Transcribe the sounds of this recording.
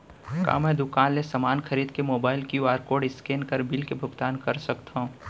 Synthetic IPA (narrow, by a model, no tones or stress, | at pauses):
ka̰ːmɛ̃ːd̪ʊkaːnlesɐmaːnxʰɐɾiːd̪kemoːbaːɪlkjuaːɾkoːɖɪskeːnkəɾbɪlkebʱʊɡt̪aːnkɐɾsɐkt̪aɦũ